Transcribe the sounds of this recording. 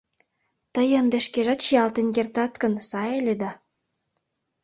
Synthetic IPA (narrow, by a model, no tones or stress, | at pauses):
t̪əjənd̪eʃkeʒɑt̪ʃiɑlt̪enʲkʲert̪ɑt̪kə̆nsɑelʲed̪ɑ